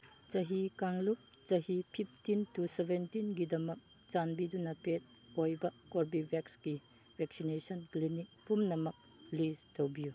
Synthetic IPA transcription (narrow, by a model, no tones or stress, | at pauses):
t͡ʃɐɦikaŋluk̚ | t͡ʃɐɦipʰip̚ʰtintusebʱentinɡidɐmɐk̚ | t͡ʃanbidunɐpet̚ | ojbɐkoɾbibʱeksɡi | b̥ʱek̚sinesɐnklinik̚pumnɐmɐk̚ | listowbiju